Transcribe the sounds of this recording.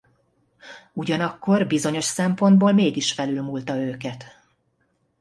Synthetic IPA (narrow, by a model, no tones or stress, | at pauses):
uɟɒnɒkːo̞rbizo̞ɲo̞ʃsɛmpo̞nd̪boːlmeːɡiʃfɛlylmult̪ɒøːkɛt̪